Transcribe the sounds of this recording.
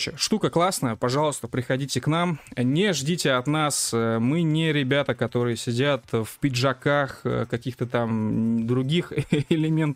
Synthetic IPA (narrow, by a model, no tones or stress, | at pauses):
ɕɪʂt̪ukəklˠasnəjəpɐʐɑlˠəst̪əpɾʲɪxɐdʲitʲɪknamnʲɪʐdʲitʲɪɐt̪nasəmɨnʲɪɾʲɪbʲat̪əkɐt̪o̞ɾɨjəsʲɪdʲat̪fpʲɪʐɐkaxkɐkʲixt̪ət̪amd̪ɾʊɡʲixɪlʲɪmʲe̞nt̪